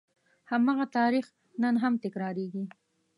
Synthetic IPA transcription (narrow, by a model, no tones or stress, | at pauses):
hamɑɣat̪ɑɾix | nənɦamt̪ɪkɾɑɾeɡi